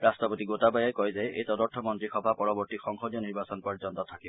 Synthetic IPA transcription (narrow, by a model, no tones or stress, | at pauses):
ɾastɔpɔt̪iɡot̪abajajkɔɦjzajʔejt̪ɔd̪ɔɾt̪ʰɔmɔnt̪ɾixɔbʱapɔɾɔbɔɾt̪ixɔŋxɔd̪jɔniɾbasɔnpɔɾd͡ʒɔnt̪ɔt̪ʰakib